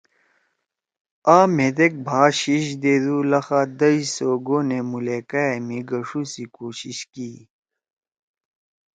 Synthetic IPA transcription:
aːmed̪ek̚bʱaːɕiɕ̬d̪eːd̪uːlɐxaːd̪ɐisoːɡoːnemuleːkaemiɡɐʂusikoːɕiɕki

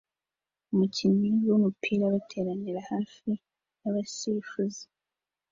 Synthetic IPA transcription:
umucimiwomupʰiːɾaβutʰe̞ːɾaniɾahaːfi | naβasifuzi̥

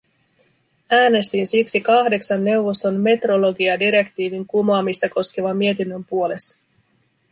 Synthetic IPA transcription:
æːne̞st̪insiksikɑhde̞ksɑnːe̞wʋo̞st̪o̞nme̞t̪ro̞lo̞ɡiɑdiɾe̞kt̪iːʋiŋkumɑːmist̪ɑko̞sk̟eʋɑmie̞t̪inːø̞mpuo̞le̞st̪ɑ̥

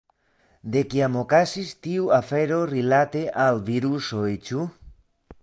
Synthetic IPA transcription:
d̪ekiamokasist̪iuafeɾorilat̪eʔalβiɾusoet͡ʃu

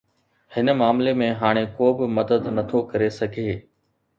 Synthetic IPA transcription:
hɪnə̆maːmlemẽɦaːɽ̃ekoːbɪmɐd̪əd̪nɐt̪ʰokɐɾesɐɡʱeː

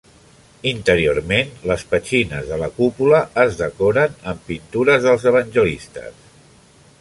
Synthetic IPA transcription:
int̪əɾiormenləspət͡ʃinəzðələkupuləːzðəkoɾənəmpint̪uɾəzðəlˠzəβ̞ənʲʒəlist̪ə̰s

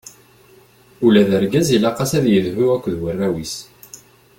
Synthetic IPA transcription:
ulæðəɾɡæzilɑqɑsæðjəðvuækʷːðwərːæwis

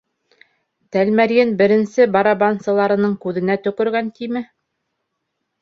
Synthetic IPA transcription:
t̪ælmæɾjɘnbɘ̆ɾɘ̆nsɘbɑɾɑbɑnsɤ̆lˠɑɾɤ̆nɤɴkʉðɘ̆næt̪ɵ̆kɵ̆ɾɡænt̪imɘ

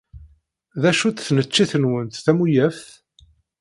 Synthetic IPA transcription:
ðæʃut͡sθnət͡ʃːiθənwənθθæmujæfθ

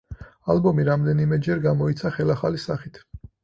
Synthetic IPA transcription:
albɔmiɾamd̪ɛnimɛd͡ʒɛɾɡamɔit̪sʰaχɛlaχalisaχit̪ʰ

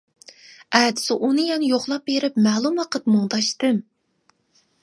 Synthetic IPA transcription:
ɛd̪ɪ̥sɪʔunɨjɛnɪjoχlˠɑp̚beɾɪpmɛːlˠumɑqət̪mɨŋd̪ɑʃt̪ɨm

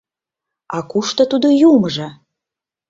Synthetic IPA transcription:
ɑkuʃt̪ə̆t̪ud̪ojumʒə

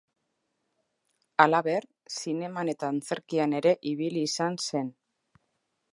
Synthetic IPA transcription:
alaβe̞r | sine̞mane̞t̪aːnt͡se̞ɾkiane̞ɾe̞ʔiβ̞iliːsanse̞n

